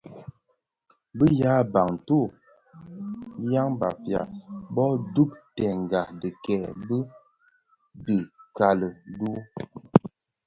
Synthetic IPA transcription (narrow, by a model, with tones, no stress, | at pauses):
bə˦ja˨˦ba˨ŋ˨tu˦˨ | ja˦ŋba̰˨fja̰˨bɔ˦du˦p̚tɛ˨ŋ˨ɡa˨də˨kɛ˨bə˦ | dɨ˨ka˨lə˨du˦